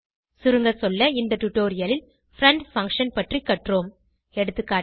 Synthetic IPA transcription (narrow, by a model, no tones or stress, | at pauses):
sʊɾɯŋɡɐsɔlːɐɪnd̪ɐʈ̪ʊʈːoːɾɪjɐlɪl | fɾɐɳɖfɐŋkʂɐnpɐʈrikːɐʈroːm | ɛɽɯt̪ːɯkːaː